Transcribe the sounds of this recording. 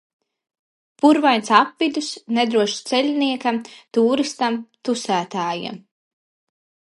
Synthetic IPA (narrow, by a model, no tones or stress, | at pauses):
puɾvajnsapvid̪usned̪ɾuɔʃt̪sɛlʲniɛkamt̪uːɾist̪amt̪usæːt̪aːja̰m